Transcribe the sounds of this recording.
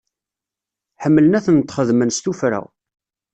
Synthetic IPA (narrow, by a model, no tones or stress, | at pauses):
ħəmːələnæθnt̪χəðmənst̪ufɾæ̰